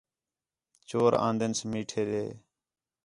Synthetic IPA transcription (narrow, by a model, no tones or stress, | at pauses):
t͡ʃoːɾã̰ːnd̪ənsmiːʈʰeːd̪eː